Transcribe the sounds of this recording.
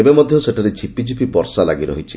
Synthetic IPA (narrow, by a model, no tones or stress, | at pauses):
ebemɔd̪ʱjɔseʈʰaɾet͡ʃʰipid͡ʒipipɔɾsalaɡiɾɔ̰ɦit͡ʃʰi